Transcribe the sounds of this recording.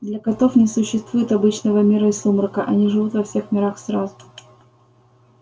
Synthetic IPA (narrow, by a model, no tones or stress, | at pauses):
d̪lʲɐkɐt̪o̞fnʲɪsʊɕːɪst̪vujɪt̪ɐbɨt͡ɕnəvəmʲiɾəɪslˠumɾkəʔɐnʲiʐɨvut̪vɐfsʲe̞xmʲɪɾaxsɾazʊ